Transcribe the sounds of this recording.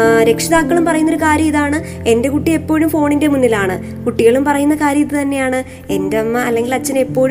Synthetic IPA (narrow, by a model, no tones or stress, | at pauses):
ɾe̞kʂiðaːkːɐɭumpɐrɐjunːoɾukaːɾjɐiðaːɳɨ | e̞nde̞kuʈːie̞pːo̞ːɻumfo̞ːɳinde̞munːilaːɳɨ | kuʈːiɣɐɭumpɐrɐjunːɐkaːɾjɐjiðɨt̪ɐnːe̞jaːɳɨ | endeɐmːɐːlːe̞ŋɡilɐt͡ɕːɐnepːo̞ːɻu